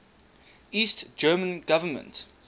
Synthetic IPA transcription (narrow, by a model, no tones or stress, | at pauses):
iːˑstd͡ʒɜːmə̃nɡavəmə̰̃nt